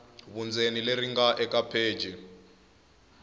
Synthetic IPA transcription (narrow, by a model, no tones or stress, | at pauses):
βund͡zenileɾiŋɡaʔɛkʼapʰe̥ːd͡ʒʱi